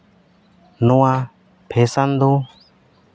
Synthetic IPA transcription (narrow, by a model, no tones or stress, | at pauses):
nuã | pʰeːsand̪o